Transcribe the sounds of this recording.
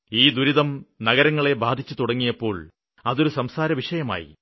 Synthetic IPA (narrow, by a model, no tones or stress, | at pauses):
iːd̪uɾiðɐmnɐɣɐɾɐŋːɐɭe̞baːd̪ʱit͡ɕːut̪uɽɐŋːijɐpːo̞ːɭ | ɐðo̞ɾusɐmsaːɾɐʋiʂɐjɐma̰ːjḭ